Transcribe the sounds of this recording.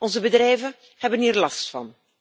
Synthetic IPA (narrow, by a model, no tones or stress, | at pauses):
ʔɔnzəbədrɛjvə | hɛbənɦiːrlɑstfɑ̰n